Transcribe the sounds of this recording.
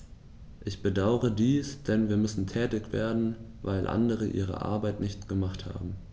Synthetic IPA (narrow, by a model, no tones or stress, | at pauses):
ʔɪçb̥ədaʊəʁədiːsd̥ɛnviːɐmʏsn̩tʰɛːtɪçv̥ḛːɐdn̩ | va̰ɪlʔa̰ndəʁ̞əʔḭːʁ̞ə̰ʔa̰ɐbaɪtnɪçtɡ̥əmaχtha̰ːbm̩